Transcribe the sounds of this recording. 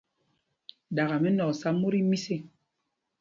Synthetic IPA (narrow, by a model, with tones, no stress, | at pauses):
da˨ɣa˨mɛ˦nɔ˨ksa˦mu˦ɾi˦mi˦si˦˨